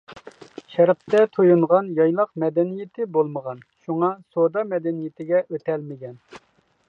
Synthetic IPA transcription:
ʃæɾq̚t̪ɛt̪ʰojuɴʁɑnjɑjlˠɑqmɛd̪ɛnijɪt̪ʰɪbolˠməʁɑnʃuŋɑsod̪ɑmɛd̪ɛnijɪt̪ʰɪɡʲɛʔøt̪ɛlmɪɡʲɛn

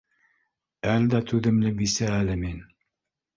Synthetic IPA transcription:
æld̪æt̪ʰʉðɘ̆mlɘbisæːlɘmin

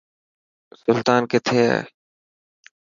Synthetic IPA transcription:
sʊlt̪aːnkɪt̪ʰḛː

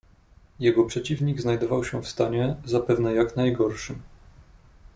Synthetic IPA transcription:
jɛɡɔpʂɛt͡ɕivɲiɡznajd̪ɔvawɕɛfst̪aɲɛzapɛvnɛjaknajɡɔɾʂɘm

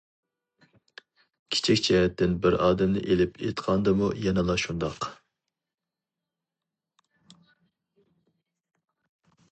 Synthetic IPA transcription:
kʲʰi̥t͡ʃʰikʲt͡ʃʰɛɦɛt̪ːɪnbɪɾɑːd̪ɛmnɪ̰ʔelɪpʰḛt̪qʰɑnd̪ɨmujɛnɛlˠɑʃund̪ɑq

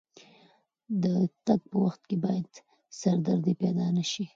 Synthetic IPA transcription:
d̪ət̪aɡ̚pəwaxt̪kebɑjad̪ | saɾd̪aɾd̪epɛd̪ɑnaʃi

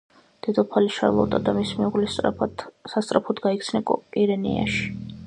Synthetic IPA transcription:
d̪̥ɛd̪ɔpʰaliʃa̰ɾlˠɔ̰t̪ʼad̪amismɛuʁli | sast̪ʼɾapʰɔd̪ɡaikt̪sʰnɛkʼɔkʼiɾɛnḭa̰ʃi̥

